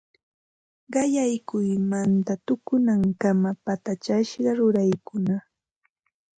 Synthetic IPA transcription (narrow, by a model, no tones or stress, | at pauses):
ɢɑjajkʊjmant̪at̪ʊkʊnaŋkamapat̪at͡ʃaʃɢɑɾʊɾajkʊna